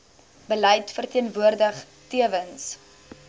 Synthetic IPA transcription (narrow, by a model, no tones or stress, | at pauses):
b̥əlɛjtfərtiənvuərdəχ | tiəvəns